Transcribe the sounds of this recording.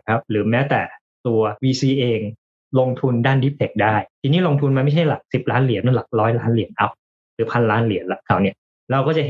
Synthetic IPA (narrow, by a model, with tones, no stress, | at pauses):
kʰa˦˥p̚ɾɯː˩˦mɛː˦˥wt̪ɛː˨˩ | t̪u˧ɐwiː˧siː˧ʔeː˧ŋ | lo˧ŋt̪ʰu˧ndaː˥˩ndi˦˥p̚t̪ʰe˨˩k̚daː˥˩jt̪ʰiː˧niː˦˥˩lo˧ŋt̪ʰu˧nma˧nma˥˩jt͡ɕʰa˥˩jla˨˩k̚si˨˩p̚laː˦˥nli˨˩˦nːu˥˩˨la˨˩k̚ɾɔː˦˥jlaː˦˥nli˨˩˦ənʔa˦˥p̚ | ɾɯː˩˦pʰa˧nlaː˦˥nli˨˩˦ənlɛ˦˥kʰa˨˩wni˥˩ɐ | ɾa˧wkɔː˥˩t͡ɕa˨˩ɦ